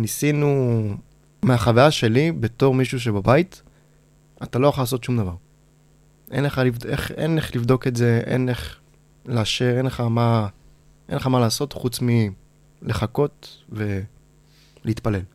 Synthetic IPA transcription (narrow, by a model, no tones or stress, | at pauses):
nisinu | meaχavajaʃe̞libe̞to̞ʁmiʃuʃ̬e̞babait̪ | atalo̞jaχalaːso̞tʃumd̪avaʁ | ʔe̞̰nleχalivḛχḛnleχlivd̪o̞ketze̞ḛnleχ | leaʃeʁenleχama | ʔenleχamalaːso̞t̪χut͡smi | leχako̞t̪ve̞ | liit̪pale̞l